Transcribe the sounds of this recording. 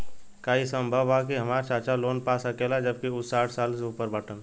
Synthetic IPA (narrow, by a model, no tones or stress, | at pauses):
kaːisə̃mbʱəʋak̬iɦɐmaːɾt͡ʃaːt͡ʃaloːnpaːsɐkelad͡ʒəb̚kiʊsːaːʈʰsaːlseuːpəɾbəʈʰə̃n